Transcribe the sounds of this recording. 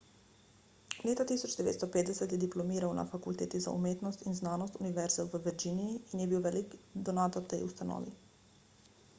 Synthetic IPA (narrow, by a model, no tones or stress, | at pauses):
leːt̪at̪isɔd͡ʒd̪ɛʋḛt̪st̪ɔpeːt̪d̪ɛsɛt̪jɛd̪iplɔmiːɾawna̰fakult̪eːt̪iza̰ṵmeːt̪nɔst̪inznaːnɔst̪uniʋɛɾzɛwʋəʋɛɾd͡ʒiːniiːnjɛbiwʋɛlikd̪ɔnaːt̪ɔɾt̪ɛjust̪anɔ̰ːʋḭ